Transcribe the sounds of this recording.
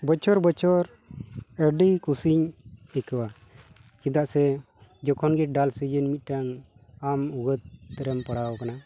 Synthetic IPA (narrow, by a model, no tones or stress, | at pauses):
bət͡ʃɔɾbət͡ʃɔɾ | əɖikusiɲɛkəwa | t͡ʃid̪aʔsɛ | d͡ʒɔkʰɔnɡiʈ̚ɖalsid͡ʒənmit̪̚ˀʈaŋ | amuɡət̪̚ːəɾəmpəɽawɔkana